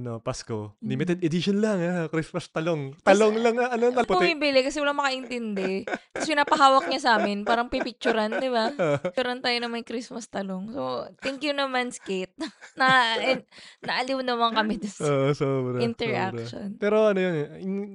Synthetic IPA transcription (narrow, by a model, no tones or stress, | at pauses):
ɐnopaskolɪmit̪ɛd̪ɪd̪iʃonlɐŋakɾismɐst̪ɐloŋt̪ɐloŋlɐŋʔɐnoɐbɐmibɪlɪkɐsɛwɐlaŋmɐkɐʔɪnt̪ɪnd̪ɛk̪ɐpɪnaːpɐɦaːwɐk̚ɲasaːmɪnpaːɾɐŋpɪpɪk̚t͡ʃʊɾand̪ɪbat͡ʃʊɾɐnt̪aːjonɐŋmɐjkɾismɐst̪ɐloŋsot̪ɛŋkjʊnɐmɐnskɛt̪̚nɐʔɪnɐʔɐliwnɐmɐŋkɐmɪd̪soːʔosobɾɪnt̪ɛɹʔa̰kʃo̰npɛːɾo̞ʔɐnojon